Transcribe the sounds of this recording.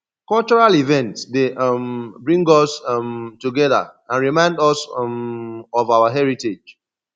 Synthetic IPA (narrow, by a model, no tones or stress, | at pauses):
kɔlt͡ʃɔɹalivɛ̃ntsdembɹĩŋɡɔsmtuɡɛða̰ãnɹimãɪ̃ndɔs | ɔvaʊaɦɛɹited͡ʒ